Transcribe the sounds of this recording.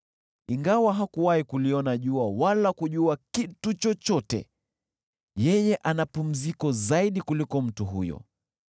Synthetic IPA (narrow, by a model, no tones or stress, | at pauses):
iŋɡawaɦakuwahikuliɔnaʄuawalakuʄuakitut͡ʃɔt͡ʃɔtɛ̰ | jɛjɛʔanapum̩zikɔzaiɗikulikɔm̩tuɦṵjɔ̰